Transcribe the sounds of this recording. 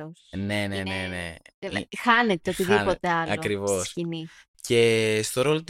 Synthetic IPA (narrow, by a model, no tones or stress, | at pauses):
osne̞nenenḛxɐnet̪eot̪iðipot̪eɐlɐokɾivo̞scini | ce̞st̪o̞ɾo̞lot̪